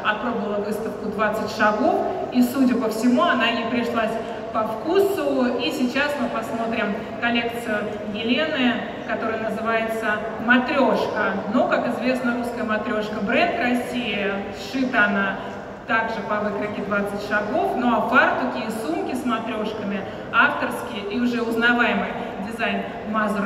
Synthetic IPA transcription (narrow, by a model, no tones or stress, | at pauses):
ɐpɾo̞bəvəlˠəvɨst̪əfkʊd̪vat̪sɨtʲʂɐɡo̞fisudʲəpəfsʲɪmuɐnajɪpɾʲɪʂlˠasʲ | pɐfkusʊisʲɪt͡ɕasmɨpɐsmo̞t̪ɾʲɪm | kɐlʲe̞kt̪sɨjʊ | jɪlʲenɨ | kɐt̪o̞ɾəjənəzɨvajɪt̪sə | mɐt̪ɾʲo̞ʂkənokakɪzvʲe̞snəɾuskəjəmɐt̪ɾʲo̞ʂkəbɾɛnt̪ɾɐsʲːijɪsʂɨt̪əɐna | t̪aɡʐɨpɐvɨkɾɨkʲɪd̪vat̪sɨtʲʂɐɡo̞fnoɐpart̪ʊkʲijəsumkʲɪsmɐt̪ɾʲo̞ʂkəmʲɪ | aft̪ərskʲɪjəʔiʊʐɛʊznɐvajɪmɨj | dʲɪzajn | maz